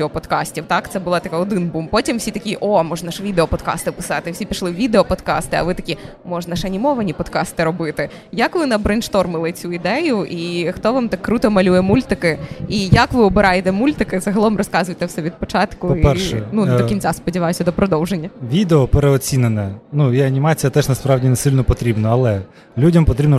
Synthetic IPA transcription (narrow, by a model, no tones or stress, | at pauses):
ɔpɔd̪kɑsʲtʲiwt̪ɑkt̪sɛbʊlˠat̪ɐkaɔd̪ɪnbumpɔtʲimwsʲit̪ɐkʲiʔomɔʒnɐʃʋʲid̪eɔpɔd̪kɑ̰st̪ɪpɪ̥sɑt̪ɪwsʲipʲiʃlˠɪwʋʲid̪eɔpɔd̪kɑ̰st̪ɪɐ̰ʋɪt̪ɐkʲi | mɔʒnɐʃɐnʲimɔʋɐnʲipɔd̪kɑst̪ɪɾɔbɪt̪ɪ | jɐkʋɪnɐbɾenʃt̪ɔrmɪlˠɪt͡sʲuid̪ɛjʊʔixt̪ɔʋamt̪akːɾut̪ɔmɐlʲujɛmulʲt̪ɪkɪijɐkʋɪɔbɪɾʔɑjet̪ɛmulʲt̪ɪkɪzɐɦɐlˠɔmrɔskɑzʊjt̪ɛwsɛʋʲid̪̚pɔt͡ʃɑt̪kʊiɛnud̪ɔkʲinʲt͡sʲaspɔdʲiʋɑjʊsʲɐd̪ɔpɾɔd̪ɔwʒenʲːɐʋʲid̪eɔpeɾeɔt͡sʲinenɛnujɛɐnʲimɑt͡sʲijɐt̪ɛʒnɐspɾɑwdʲinɛsɪlʲnɔpɔt̪ɾʲibnɔɐlˠɛ | lʲudʲɐmpɔt̪ɾʲibnɔ